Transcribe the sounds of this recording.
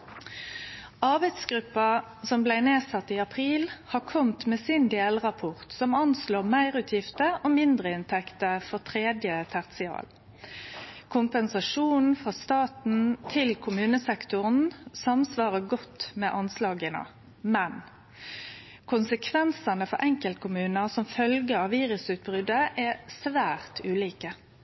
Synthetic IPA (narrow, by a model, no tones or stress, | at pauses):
ɑʁbæɪd̪sɡʁʉpːɑsɔmblæɪneːsɑt̪ːiːɑpʰʁiːlhɑkʰɔmt̪meːsɪnd̪eːlʁɑpʰɔʁt̪sɔmɑnsloːʁmæɪʁʉːt̪ʰjɪft̪əʔoːmɪnd̪ʁəɪnt̪ʰɛkt̪əfɔʁt̪ʰʁeːd̪jət̪ʰæʁt̪sɪɑ̰ːl | kʰʊmpɛnsɑʂuːnn̩fʁɑst̪ɑːt̪n̩t̪ʰɪlkʰʊmʉːnəsɛkt̪ʊʁən̩sɑmsʋɑːʁəɡɔt̪ːmɛʔɑnslɑːɡənə̰ | mɛn | kʰʊnsəkʰʋɛnsɑnəfɔ̰ɾʔɛŋkəlt̪̚kʰʊmʉːnəsɔmfœlɡəɑʋːiːʁʉsʉːt̪̚bʁʏd̪əʔɛsʋæːʁt̪ʉːliːkə